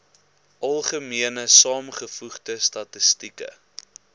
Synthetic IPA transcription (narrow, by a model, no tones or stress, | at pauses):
ʔɐlˠχəmiənəsɑːmχəfuχdəstɐtəstikə̰